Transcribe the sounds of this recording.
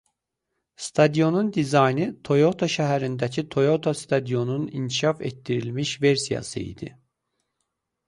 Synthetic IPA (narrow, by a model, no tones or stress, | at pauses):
st̪ʰɑd̪ijo̞nund̪izɑjnɯt̪ʰo̞jo̞t̪ʰoʃæɦæɾind̪æcʰit̪ʰo̞jo̞t̪ʰost̪ʰɑd̪ijo̞nunincʰiʃɑfɛ̰t̪ːiɾilʲmiʃveɾsijɑ̰sɯ̰ḭd̪ḭ